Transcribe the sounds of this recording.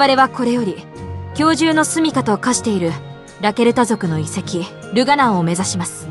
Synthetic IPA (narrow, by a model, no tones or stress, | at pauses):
aɾe̞βako̞ɾe̞jo̞ɾʲi | kʲo̞ːʑɨːno̞sɨmʲikat̪o̞kaɕi̥t̪e̞iɾɯ̟ | ɾake̞ɾɯ̟t̪azo̞kɯ̟no̞ise̞kʲi | ɾɯ̟ɡanãɰ̃o̞me̞zaɕimasɨ̥